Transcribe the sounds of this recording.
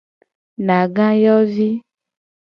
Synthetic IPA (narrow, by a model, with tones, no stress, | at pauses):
nã˨ɡã˦jɔ˦vi˦